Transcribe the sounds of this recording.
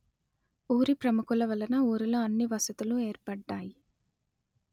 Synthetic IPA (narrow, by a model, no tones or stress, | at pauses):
uːɾipɾɐmukulɐʋɐlɐnɐuːɾuloɐnːiʋɐsɐt̪ulue̞ːɾpɐɖːaːji